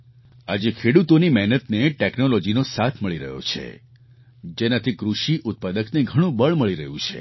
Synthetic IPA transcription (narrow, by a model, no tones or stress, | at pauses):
ad͡ʒekʰeɽut̪onimɛɦnət̪neʈeknolɔd͡ʒinosat̪ʰməɭiɾə̰ɦjo̰t͡ʃʰḛ | d͡ʒenat̪ʰikɾuʃiʔʊt̪̚pad̪əkneɡʱəɽ̃ũbəɭməɭiɾəɦũt͡ʃʰḛ